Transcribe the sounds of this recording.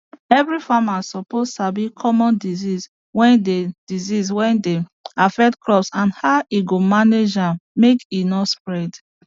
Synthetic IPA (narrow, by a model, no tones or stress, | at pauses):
ɛvɹifamasɔpostabikʰɔmɔ̃ndizis | wɛ̃nded̥iziswɛ̃ndeafɛk̚tklɔpsãnhaʊʔiɡomaned͡ʒãmmekinɔtspɹɛd